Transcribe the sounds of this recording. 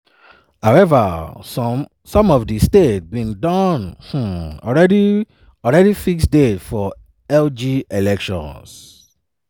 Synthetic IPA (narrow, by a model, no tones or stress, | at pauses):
haʊɛvəs | sɔ̃mɔvdistet̚bĩndɔ̃nh̩ɔ̰ɹɛdi | ɔlɹɛɾifiksdetfɔ | ɛld͡ʒielɛkʃɔ̰̃ns